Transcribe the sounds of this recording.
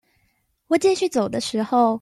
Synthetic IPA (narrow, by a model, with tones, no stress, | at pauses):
wɔ˨˩t͡ɕɛ˥˧ɕy˥˩t͡so˨˩ʊd̪ə˦ʂɻ̩˧˥xo˥˧ʊ